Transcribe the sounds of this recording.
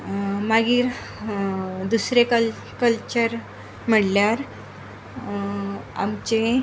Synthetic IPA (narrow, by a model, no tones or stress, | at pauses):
maɡiːɾ | d̪usɾekə | kəlt͡ɕəɾ | m̤əɽljaɾ | a̰mt͡ɕe